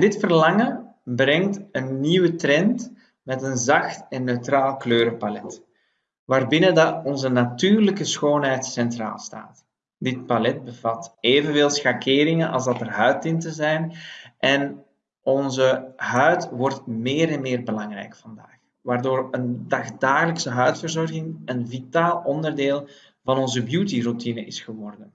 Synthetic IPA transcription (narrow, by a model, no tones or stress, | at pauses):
dɪtfərlɑŋəbrɛŋtənːiwətrɛnt | mɛtənzɑxtɛnːøɥtraːlˠkløːɾəpalɛt | ʋaːrbɪnədɑɔnzənatyːrləkəsxoːnɦɛjtsɛntra̰ːlˠsta̰ːt | dɪt̚palɛt̚bəvɑteːvənveːlˠsxakɪːɾɪŋənʔɑ̰lˠzdɑtərɦœɥtɪntəzɛjnʔɛn | ɔnzəɦœɥtʋɔrtmeːɾɛnmɪːrbəlɑŋrɛ̰jkfɑndaːx | ʋaːrdoːrəndɑxdaːɣələksəɦœɥtfərzɔrɣɪŋənvitaːlˠɔndərdeːlˠ | vɑnɔnzəbjutirutinəʔɪsxəʋɔrdən